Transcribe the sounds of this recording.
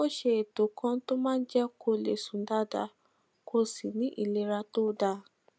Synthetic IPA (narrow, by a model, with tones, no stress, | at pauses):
o˦ʃe˧˦e˨to˨˦kã˦to˦mãː˦˧n̩˦d͡ʒɛ˦kʰo˧le˨sũ˨˦n˦da˦da˧ | kʰo˧si˨nĩ˨˦ʔi˦˨le˧˦ɾa˧to˦da˧˦